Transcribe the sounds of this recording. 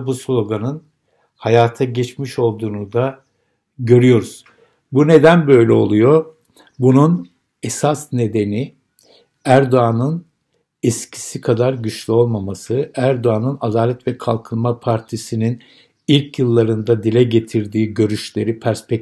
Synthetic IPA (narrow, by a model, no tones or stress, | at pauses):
buslʲˠo̞ɡanɯn | hajaːt̪ʰaɟɛt͡ʃmiʃo̞lˠd̪uːnud̪a | ɟø̞ɾyjo̞ɾuz̥ | bune̞d̪ænbø̞jlʲɛo̞̰lˠujo̞ | bunun | esasne̞d̪e̞ni | æɾd̪o̞anɯn | ɛscʰi̥sikʰad̪aɾɟyt͡ʃlʲyo̞lˠmamasɯæɾd̪o̞anɯnad̪aːlʲɛt̪vɛkʰalˠkʰɯnˠmapʰaɾt̪ʰisinin | ilʲcjɯlˠːaɾɯnd̪ad̪ilʲɛɟe̞t̪ʰiɾd̪iːɟø̞ɾyʃlʲe̞ɾipʰæɾspɛk̚